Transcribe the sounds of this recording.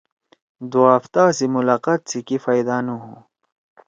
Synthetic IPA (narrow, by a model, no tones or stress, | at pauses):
d̪uaft̪aːsimulaqat̪̚sikifajd̪anuɦũ